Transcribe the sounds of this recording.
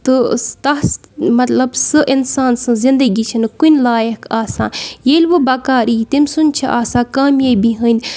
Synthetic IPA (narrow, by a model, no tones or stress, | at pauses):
t̪ɨt̪ɐsmɐt̪lɐbsɨʔɪnsaːnsɨ̃zɪ̃nd̪əɡit͡ʃʰɐnkunlaːjɐkaːsãːjelʲʋɨbɐkaːɾiːt̪imsunʲt͡ʃʰiʔaːsãːkaːmjabiɦənʲ